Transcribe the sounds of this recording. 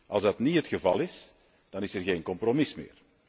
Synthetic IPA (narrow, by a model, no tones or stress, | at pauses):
ʔɑlˠzdɑtniɦətxəvɑlˠɪs | d̥ɑnɪsərɣeːnkɔmpromɪsmɪ̰ːr